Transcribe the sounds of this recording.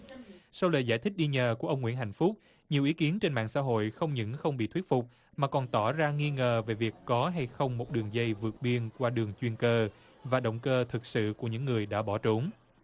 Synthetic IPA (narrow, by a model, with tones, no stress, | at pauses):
sa˧wlə̰ː˧˨jzaː˧˩jt̪ʰï˦˥k̚ɗi˧ɲəː˨˩ku˧˩əʔə˧wŋ͡mŋwḭ˧˥ənɦa˧˨jŋ̟fu˦˥k͡p̚ | ɲi˨˩wʔi˨˦ki˨˦ənt͡ɕe˧nmɓa̰ː˧˨ŋsa̰ː˧˥ɦo̰˧˨jxə˧wŋ͡mɲɨ̰˧˥ŋxə˧wŋ͡mɓḭ˧˨t̪ʰwi˦˥t̚fʊ˨˩k͡p̚ | maː˨˩kɔ˨˩nt̪ɔ˧˩zaː˧ŋi˧ŋəː˨˩ve˨˩vi˨˩əkːɔ˨˦ɦa˧jxə˧wŋ͡mmo˨˩t̚ɗɨ˨˩əŋzə˧jvɨ˨˩ət̚ɓi˧ənkwaː˧ɗɨ˨˩əŋt͡ɕwi˧nkəː˧ | vaː˨˩ɗə̰˧˨wŋ͡mkəː˧t̪ʰɨ˨˩k̚sɨ̰˧˨ku˧˩əɲɨ̰˧˥ŋːɨ˨˩əjɗa̰ː˧˥ɓɔ˧˩t͡ɕu˨˦ŋ͡m